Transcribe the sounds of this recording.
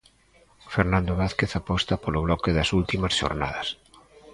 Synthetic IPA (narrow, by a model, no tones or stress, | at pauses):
feɾnãnd̪oβaθkeθapɔst̪ɐpoloβlɔkeðɐsult̪imɐsʃo̰ɾna̰ðɐs